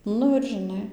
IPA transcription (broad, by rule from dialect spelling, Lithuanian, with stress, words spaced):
ˈnʊ ɪr ʒʲɪˈnɐɪ